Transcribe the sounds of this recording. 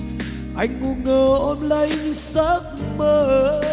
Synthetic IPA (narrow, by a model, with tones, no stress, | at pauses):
ʔa˧jŋ̟ŋu˧˩ŋːəː˨˩ʔɔ˧nlə˧˦jɨ˧˦saː˦˥k̚məː˧˨˩